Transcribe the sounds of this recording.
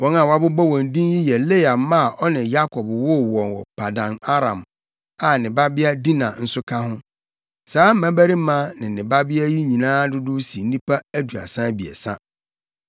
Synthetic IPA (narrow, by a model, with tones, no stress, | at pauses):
wɔ̃˦nã˨wa˦bʊ˦bɔ˦wɔ̃˨n˨dĩ˦nji˦jɛ˨le˦a˨mã˦˨ʔɔ˦nɪ̃˨ja˦kʰɔ˨bwɔ˦wɔ̃˨nwɔ̰˨pʰa˨dã˨na˦ɾã˨m | a˨nɪ̃˨ba˦bɪ˦a˦di˦nã̰˨n̩˦sʊ˦kʰa˦ɦʊ̃˦ | saː˦m̩˦mã˦bæ˦ɾi˦mã˦nɪ̃˨nɪ̃˨ba˦bɪ˦a˦ji˦ɲĩ˨nãː˦dʊ˦dʊ˦si˨n̩˦nĩ˦pa˦æ˦du˨a̰˨sã˦bi˨ɛ̰˨sã̰˦